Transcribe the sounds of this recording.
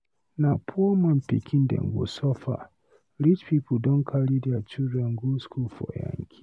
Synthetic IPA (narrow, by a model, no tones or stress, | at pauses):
napʰɔmanpḭkʲʰɪndɛ̰ŋɡo̰sɔfa̰ | ɾit͡ʃpiːpʰʊdɔŋkʰaɾidiat͡ʃidɛŋɡuskulfɔ̰ja̰ŋkʲʰi̥